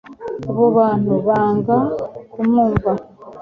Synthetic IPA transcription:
oβoβaːn̥uβaːŋɡakumuːɱva

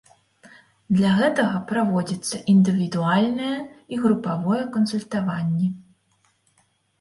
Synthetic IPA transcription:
d̪lʲaɣɛt̪ɐɣɐpɾavɔd͡zʲɐt̪sːɐʔind̪ɨvʲid̪ualʲnɨjɛiɣɾupavɔjɛkɐnsulʲt̪avanʲːɛ

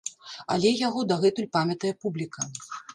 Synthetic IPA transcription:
ɐ̰lʲɛjaɣɔd̪ɐɣɛt̪ulʲpamʲɐt̪ɐjɛpublʲikɐ

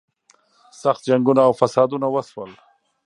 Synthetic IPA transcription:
saxt̪̚d͡ʒaŋɡunaːwfasɑd̪unawaswəl

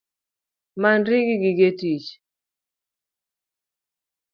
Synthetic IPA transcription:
manɾiɡiɡɪɡetit͡ʃ

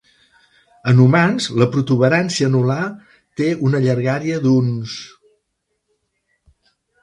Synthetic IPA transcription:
ənumanzləpɾut̪uβəɾansiənula | t̪eunəʎəɾɣaɾiəd̪uns

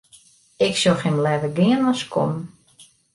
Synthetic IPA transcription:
ɪksoxɪmlɛvəɡɪənɔskʰo̰m

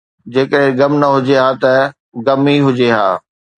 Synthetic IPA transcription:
d͡ʑeːkəɽẽɡɐmnɐɦʊd͡ʑeɦaːt̪ɐ | ɡɐmiɦʊd͡ʑeɦa̰ː

